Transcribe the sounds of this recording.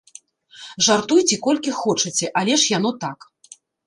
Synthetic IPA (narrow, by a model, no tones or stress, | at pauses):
ʐart̪ujt͡sʲikɔlʲkʲixɔt͡ʂɐt͡sʲɛʔalʲɛʂjanɔt̪ak